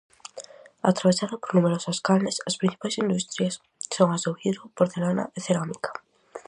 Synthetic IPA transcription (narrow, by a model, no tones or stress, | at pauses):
a̰t̪ɾaβesaðopoɾnumeɾosaskalnesaspɾin̟θi̥pajsind̪ust̪ɾjas | soŋazðowθiðopoɾθelana̰eθeɾamikḁ